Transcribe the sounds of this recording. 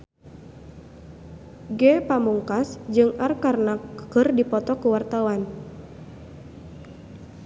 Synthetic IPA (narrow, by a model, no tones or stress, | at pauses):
ɡɛpamuŋkasd͡ʒɨŋarkarnakəkɨrdipɔt̪ɔkuwart̪awan